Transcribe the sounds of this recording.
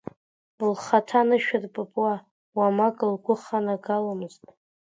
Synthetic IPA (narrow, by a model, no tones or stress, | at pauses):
lχatʰanɨʃᶣɪrpʼɨpʼwa | wamakʼlɡʷʊχanaɡalamɨztʼ